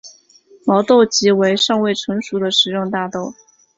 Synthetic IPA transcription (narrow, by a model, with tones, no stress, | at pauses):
mɑ˧˥ʊt̪o˥˩ʊt͡ɕi˧˥we˧˥ɪʂɑ˥˧ŋwe˥˩ɪʈ͡ʂʰɤ˧˥ŋʂu˧˥d̪ə˨ʂɻ̩˧˥jʊ˥˧ŋt̪a˥˧t̪o˥˩ʊ